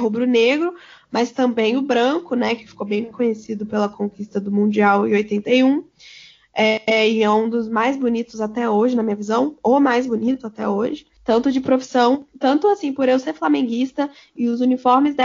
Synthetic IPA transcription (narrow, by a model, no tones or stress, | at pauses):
ɦubɾʊneɡɾʊ | mɐst̪ɐ̃mbẽj̃ʊbɾɐ̃kʊnɛkɪ̥fi̥kowbẽj̃kõɲesid̪ʊpelɐkõkist̪ɐd̪ʊmũd͡ʒiawɪ̃ojt̪ẽnt̪ejũ | ɛɪɛũd̪ʊzmajzbonit̪ʊzat̪ɛoʒɪnɐmĩɲɐvizɐ̃w̃omajzbonit̪ʊat̪ɛ̰oʒɪ | t̪ɐ̃nt̪ʊd͡ʒɪpɾofi̥sɐ̃w̃t̪ɐ̃nt̪ʊasĩpʊɾewseɾflamẽŋɡist̪ɐ | ɪʊzunifɔɾmɪzd̪ɛ